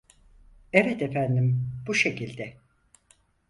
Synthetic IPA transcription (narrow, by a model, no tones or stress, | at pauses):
evɛt̪efænd̪imbuʃe̞cilʲd̪ɛ